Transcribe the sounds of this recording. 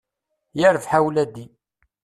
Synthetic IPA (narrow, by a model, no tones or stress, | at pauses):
jəɾəfħawlæd̪i